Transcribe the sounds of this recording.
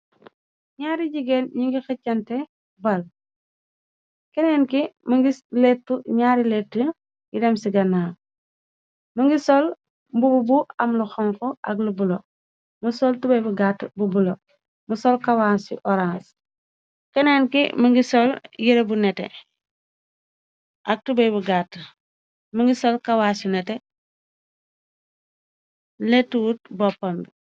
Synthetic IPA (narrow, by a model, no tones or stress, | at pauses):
ɲaːɾiɟiɡenɲiŋɡixɐcːɐntɛ | bɐl | kɛnɛːnkiməŋɡilɛtːuɲaːɾilɛtːu | jidɛmsiɡɐnaː | mɐŋɡisɔl | mbububuɐmluxɔŋkɔʔɐ̰ɡlubulo | musɔltubɐbuɡatbubulo | musɔlkawasḭʔɔɾãns | kɛnenkimɐŋɡisɔljiɾebunɛtḛ | ʔak̚tubejbuɡat | muŋɡisolkawaːsinɛte | letuwut̚bɔpːambi